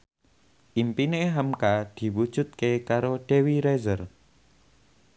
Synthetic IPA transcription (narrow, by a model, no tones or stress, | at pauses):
ʔimpineɦəmkad̪̥i̤wud̥ʒ̥ṳt̪̚kekaɾoɖ̥ewiɾezər